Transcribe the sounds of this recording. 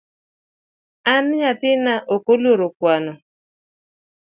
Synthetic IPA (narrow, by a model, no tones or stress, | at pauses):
anɲatɪnaʔokoloɾokwanɔ